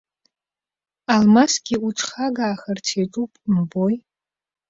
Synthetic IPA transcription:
almasɡʲiuʈ͡ʂʰʼχaɡaːχɐrtʰeʈ͡ʂʼupʼmboj

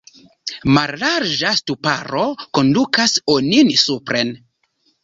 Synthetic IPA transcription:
malːaɾd͡ʒastupaɾo̞ko̞ndukasoninsupɾʔe̞n

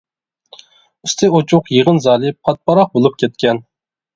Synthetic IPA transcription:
yst̪ʰɪot͡ʃʰʊqjiʁənzɑːlˠɨpʰɑt̪̚pʰɑɾɑq̚bolˠup̚kʲʰɛt̪̚kʲɛn

